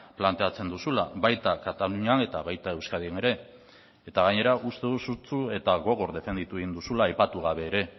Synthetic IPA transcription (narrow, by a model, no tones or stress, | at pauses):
plant̪e̞at͡se̞nd̪usulaβajt̪akat̪aluɲane̞t̪aβajt̪ae̞wskað̞iene̞ɾe̞ː | t̪aɣaɲe̞ɾaʔust̪e̞ðusut͡sue̞t̪aɣo̞ɣ̞o̞ɾde̞fe̞nd̪it̪ueɣind̪usulaːjpat̪uɣ̞aβ̞e̞ːɾe̞